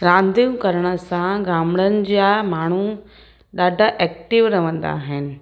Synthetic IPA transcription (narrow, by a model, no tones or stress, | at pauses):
ɾãːnd̪ijũkɐɾəɽ̃əsãɡaːmɽənɪ̆d͡ʑijamaːɳ̤̃u | ɗaːɖʱaʔɛːk̚ʈɪʋɾɐʋə̃nd̪a̰ːɦɪnɪ̆